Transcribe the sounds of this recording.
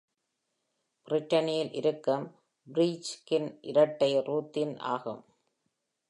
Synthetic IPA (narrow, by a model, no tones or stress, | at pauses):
b̥ɪrɪʈːɐnɪjɪlʔɪɾɯkːɯm | bɾiːt͡ʃkɪnʔɪ̰ɾɐʈːɐɪɾuːt̪ːɪnʔa̰ːɣɯ̰m